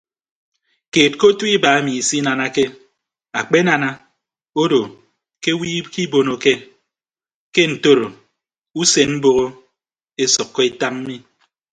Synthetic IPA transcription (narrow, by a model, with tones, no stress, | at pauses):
keː˨t̚ko˦tu˦i˦ba˨a˦mi˨i˨si˦na˨na˦ke˦ | a˨k͡pe˦na˨na˦ | o˦do˨ | ke˦wiː˦ki˦bo˨no˨ke˦ | ke˦n̩˨to˦ɾo˨ | u˦se˨nm̩˦bo˨ɣo˦ | e˦sɔ˨kːɔ˦e˦ta˦mm̩˦mi˦